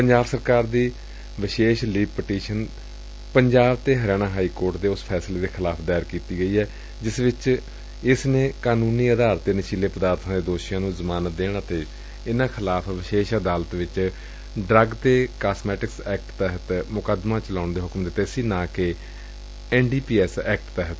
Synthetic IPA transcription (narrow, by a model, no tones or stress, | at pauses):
pəɲd͡ʒaːbsəɾkaːɾd̪iː | ʋɪʃeːʃliːb̚pəʈiːʃən | pəɲd͡ʒaːbt̪eːɦəɾjaːnãːɦaːiːkoːɾʈd̪eːʊspʰɛːsleːd̪eːkʰɪlaːpʰd̪aːjɾkiːt̪iːɡəiːɛː | d͡ʒɪsʋɪt͡ʃ | ɪsnẽːkaːnuːniːəd̪aːɾt̪d̪eːnɪʃiːleːpəd̪aːɾt̪ʰãːd̪eːd̪oːʃijãːnũːzəmaːnəd̪eːɳət̪eː | ɪnãːkʰɪlaːpʰʋɪʃeːʃəd̪aːlət̪ʋɪt͡ʃ | ɖɾəɡt̪eːkaːsmɛːʈɪksɛːk̚ʈt̪ɛɦət̪mʊkəd̪mãːt͡ʃəlaːʊɳd̪eːɦʊkmd̪eːt̪eːsiːnãːkeː | ɛːnɖiːpiːɛːsɛːk̚ʈt̪ɛɦət̪